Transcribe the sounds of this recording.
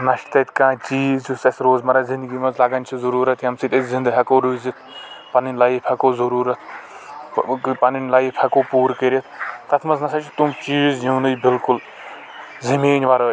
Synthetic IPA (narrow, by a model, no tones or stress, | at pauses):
nɐʃʈt̪ɐt̪ʰkãːt͡ʃiːzussɐsɾoːzmɐɾɐzĩnd̪ɡimɐnzlaɡɐnʲt͡ʃʰizɐɾuːɾɐt̪ʰjɐmsit̪ɐt̪zĩnd̪ɐɡɦɐkoːɾuːzit̪ʰpɐninʲlaipʰʲɐkoːzɐɾuːɾɐt̪ʰ | pɐninʲlaipʰʲɐkoːpuːɾkəɾʲɐt̪ʰt̪ɐt̪ʰmɐznɐsʰɐt͡ʃʰit̪umt͡ʃiːzjuːnɨjbɪlkul | zimeːɲʲʋaɾɐː